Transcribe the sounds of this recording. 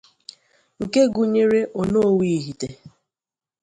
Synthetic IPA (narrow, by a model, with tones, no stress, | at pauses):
ŋ̩˨ke˦ɡu˨ɲe˦ɾe˦ʔo˨no˦o˦wi˦˨ɦi˨te˨